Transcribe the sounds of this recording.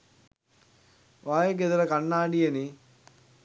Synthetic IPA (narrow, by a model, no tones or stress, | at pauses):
ʋaːjeɡed̪ɐɾəkanːaːɖijeni